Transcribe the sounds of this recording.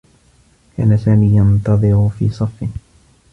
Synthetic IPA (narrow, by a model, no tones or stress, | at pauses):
kʰa̰ːnasaːmiːjant̪ɑðˤɨɾʊfḭːsˤɑfːɪ